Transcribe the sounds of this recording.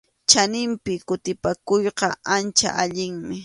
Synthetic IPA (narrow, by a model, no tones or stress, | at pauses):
t͡ʃanɪmpɪkʊt̪ɪpakojqɑant͡ʃa̰ʔaʎɪŋmɪ